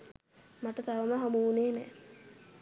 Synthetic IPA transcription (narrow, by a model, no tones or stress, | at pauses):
maʈət̪aʋəməɦamuuneːnɛː